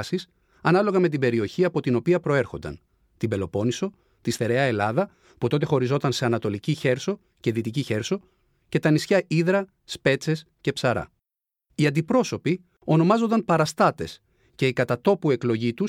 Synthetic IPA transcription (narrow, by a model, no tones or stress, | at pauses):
sis | ɐnɐlo̞ɣɐme̞t̪ibe̞ɾio̞çiɐpo̞t̪ino̞piɐpɾo̞e̞ɾxo̞nd̪ɐ̰n | t̪ibe̞lo̞po̞niso̞ | t̪isθe̞ɾeɐe̞lɐðɐ | put̪o̞t̪e̞xo̞ɾizo̞t̪ɐnse̞ɐnɐt̪o̞liciçe̞ɾso̞ | ce̞ðit̪iciçe̞ɾso̞ | ce̞t̪ɐnisçɐiðɾɐ | spe̞t͡se̞s | ce̞psɐɾɐ̰ | iɐnd̪ipɾo̞so̞pi | o̞no̞mɐzo̞nd̪ɐnpɐɾɐst̪ɐt̪e̞s | ce̞ikɐt̪ɐt̪o̞pue̞klo̞ʝit̪us